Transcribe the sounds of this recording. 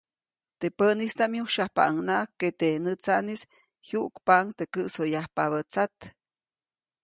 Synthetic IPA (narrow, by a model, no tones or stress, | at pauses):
t̪epənist̪amjuʃahpa̰ʔəŋnaʔkːet̪enət͡saʔnis | hjuʔkpaŋt̪ekəʔsojahpaβət͡sat̪